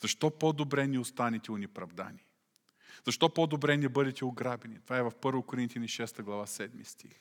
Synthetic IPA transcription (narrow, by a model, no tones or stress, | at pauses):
z̥ɐʃt̪ɔpɔd̪obɾɛnɛʊst̪anɛt̪ɛʊnɛpɾɐvd̪a̰ni | zɐʃt̪ɔpɔd̪obɾɛnɛbɤd̪ɛt̪ɛʊɡɾabɛnit̪ovaɛvɐfpɤɾvokʊɾint̪janiʃɛst̪əɡlˠɐvasɛd̪mist̪ix